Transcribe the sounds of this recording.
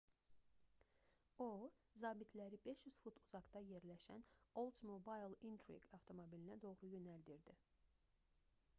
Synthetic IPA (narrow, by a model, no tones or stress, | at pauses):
ozɑːbit̪ʰlæɾibe̞ʃjyz̥fut̪ʰuz̥ɑɡd̪ɑje̞ɾlæʃæ̰nolˠzmobɑjlˠint̪ʰɾḭɡɑft̪ʰo̞mobilinæd̪o̞ɣɾujø̞næld̪iɾd̪i